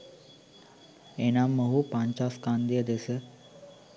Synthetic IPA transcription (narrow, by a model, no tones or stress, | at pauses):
enamːəɦupãɲt͡ɕaskand̪ijəd̪esə